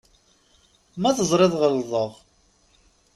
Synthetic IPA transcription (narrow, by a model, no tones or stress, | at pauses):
mæθəzˤɾˤeðˤʁəlðˤəʁ